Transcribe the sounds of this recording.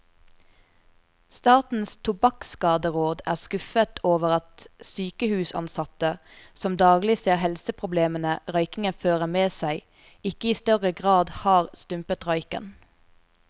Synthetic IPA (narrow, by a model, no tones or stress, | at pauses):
st̪ɑːt̪n̩st̪ʰʊbɑkskɑːd̪əʁoːd̪æːʁskʉfət̪ʰoːʋəʁɑt̪syːkəhʉːsɑ̰nsɑt̪əsɔmd̪ɑːɡlɪseːʁhɛlsəpʰʁʊbleːmənəʁœʏkɪŋənføːʁəmeːsæɪ | ɪkəiːst̪œʁəɡʁɑːd̪hɑːʁst̪ʉmpət̪ʁœʏkə̰n